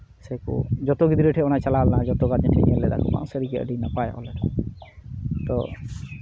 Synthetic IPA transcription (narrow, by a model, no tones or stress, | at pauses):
sɛkṵd͡ʒɔt̪ɔɡid̪iɾɛʈʰɛɔnajt͡ʃalalnad͡ʒɔt̪ɔɡad͡ʒɛʈʰɛɲɛlɛd̪a̰kɔ̰ba̰wsɛɾiɡia̰ɖinapaj̰ʔɔ̰lɛʈa | t̪ɔ